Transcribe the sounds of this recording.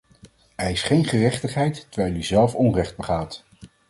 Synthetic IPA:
ɦɛjɪsχejnχərɛχtəχɦɛjtːəɹʋɛjlˠyzɛlˠfɔnrɛχd̚bəχaːt

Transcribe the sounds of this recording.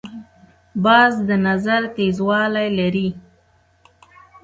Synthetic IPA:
bɑzd̪ənazaɾt̪ezwɑlajlaɾi

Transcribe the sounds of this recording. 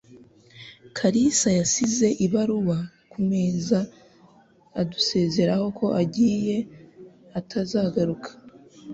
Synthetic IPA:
kʰaɾisajasize̞ʔiβaɾuβa | kume̞ːza | duse̞ːze̞ɾaho̞kʰo̞ʔaɟiːje̞ | atʰazaːɡaɾukʰḁ

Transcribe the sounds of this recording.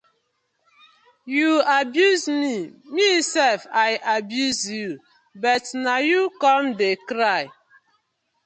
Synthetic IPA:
juabjuzmimisɛlfaɪʔabjuzju | bɔtnajukɔmdekɾaɪ

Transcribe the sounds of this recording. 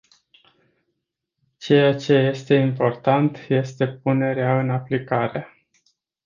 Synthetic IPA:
t͡ʃe̞jat͡ʃe̞je̞st̪e̞impo̞rt̪ant̪je̞st̪e̞p̚une̞ɾeaɨnaplikaɾe̞

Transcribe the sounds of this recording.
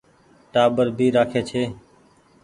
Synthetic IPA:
ʈaːbəɾbʱiːɾaːkʰeːt͡ʃʰeː

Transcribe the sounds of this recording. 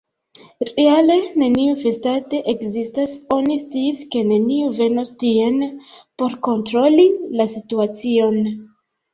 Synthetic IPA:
ɾeale̞ne̞niufe̞state̞ʔekzistaso̞nist͡siːske̞ne̞niuve̞no̞stie̞npo̞ɾko̞ntɾo̞lilasituat͡sio̞n

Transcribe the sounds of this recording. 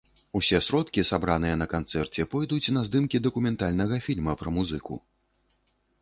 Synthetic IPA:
usʲɛsɾɔt̪kʲisabɾanɨjɐnɐkant̪sɛrt͡sʲɛpɔjd̪ut͡sʲnɐzd̪ɨmkʲid̪ɐkumʲɛnt̪alʲnɐɣɐfʲilʲmɐpɾɐmuzɨkṵ

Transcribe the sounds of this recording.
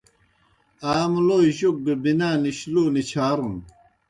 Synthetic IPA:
aːmloʑuk̚ɡebinaːniɕluːnit͡ɕʰaːɾun

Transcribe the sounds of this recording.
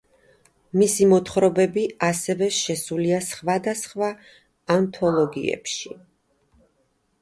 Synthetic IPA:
misimɔt̪ʰχɾɔbɛbiasɛvɛʃɛsuliasχvad̪asχvaː | nt̪ʰɔlˠɔɡḭɛ̰pʃi

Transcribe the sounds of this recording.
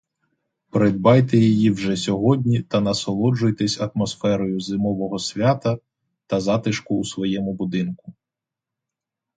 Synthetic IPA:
pɾed̪bɑjt̪ɛjɔjiwʒɛsʲɔɦɔdʲnʲit̪ɐnɐsɔlˠɔd͡ʒʊjt̪ɛsʲɐt̪mɔsfɛɾɔjʊzɪmɔʋɔɦɔsʲʋʲat̪ɐ | t̪ɐzɑt̪ɪʃkʊːsʋɔjɛmʊbʊd̪ɪnkʊ̥

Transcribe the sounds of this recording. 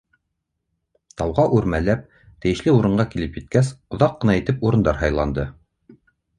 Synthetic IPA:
t̪ɑwʁɑʔʉɾmælæp̚ | t̪ɘ̆jɘ̆ʃlɘuɾɤ̆ɴɢɑkilɘpjɘ̆t̪̚kæsŏðɑqːɤ̆nɑĭt̪ɘpuɾɤ̆nd̪ɑɾɦɑjlˠɑnd̪ɤ

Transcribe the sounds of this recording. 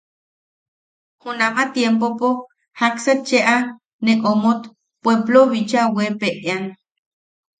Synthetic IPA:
hunamat̪jempopo | hakset̪̚t͡ʃeʔa | neʔomot̪ | pweploβit͡ʃawepeʔeaŋ

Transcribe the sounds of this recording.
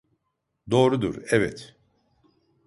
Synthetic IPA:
d̪o̞ːɾud̪ṵɾɛvɛt̪

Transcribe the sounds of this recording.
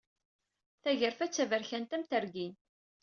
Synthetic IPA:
θæʝəɾfæt͡sːævəɾçænt̪æmθəɾɡin

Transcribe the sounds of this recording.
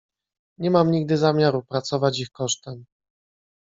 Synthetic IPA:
ɲɛmamɲiɡd̪ɘzamʲjaɾupɾat̪sɔvat͡ɕixkɔʂt̪ɛm

